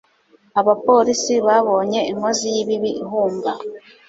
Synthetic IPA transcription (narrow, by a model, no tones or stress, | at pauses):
aβapo̞ːɾisiβaβo̞ːɲe̞iŋozijiβiβiʔiɦuːmba